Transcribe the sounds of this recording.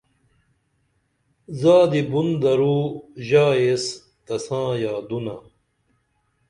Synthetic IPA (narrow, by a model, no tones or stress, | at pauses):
zaːd̪ibund̪ɐɾuːʑaːes | t̪ɐsãːjaːd̪una̰